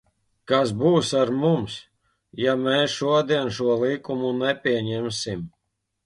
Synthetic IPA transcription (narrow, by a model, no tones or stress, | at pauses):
kas̬buːsaɾmums | jamɛːsʃuɔd̪iɛnʃuɔlˠikumunɛpʲiɛɲɛmsim